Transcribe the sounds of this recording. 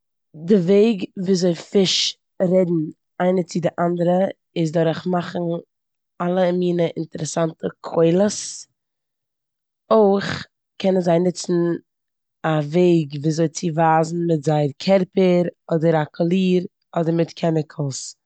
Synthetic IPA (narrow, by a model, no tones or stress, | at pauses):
dɪveɪɡviːzoɪfɪʃ | ɾɛdn̩ | aɪnət͡sɪdɪʔandəɾə | ɪs̬dɔɾχmaχn̩ | alˠəmiːnəʔɪntəɾɛsantəkʰoɪlˠəs | oɪχ | kʰɛnənzaɪnɪt͡sn̩ | aveɪɡviːzoɪt͡sɪvaːzn̩mɪtzaɪɾkʰɛɾpəɾɔdəɾakʰʊlˠiːɾ | ɔdəɾmɪtkʰɛmɪkʰl̩ˠs